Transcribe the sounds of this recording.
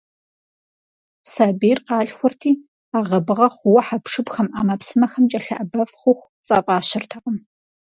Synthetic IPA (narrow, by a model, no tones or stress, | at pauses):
saːbirqɑːɬxʷʊrtʰiː | aːʁɐbɨʁɐχʷʊwɐħapʂɨbxɐmʔaːmɐpsɨmɐxɐmt͡ʃʼɐɬɐʔɐbɐfχʷʊxʷ | t͡sʼɐpʼɑːɕɪrtʰɐqəm